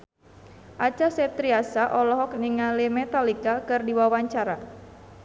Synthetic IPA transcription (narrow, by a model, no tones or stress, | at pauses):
ʔat͡ʃasɛt̪ɾiasaʔɔlɔɦɔk̚niŋalemɛt̪alikakɨrdiwawaɲt͡ʃaɾa